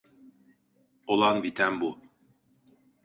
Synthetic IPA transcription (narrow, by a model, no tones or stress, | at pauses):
olˠɑnbit̪æmbu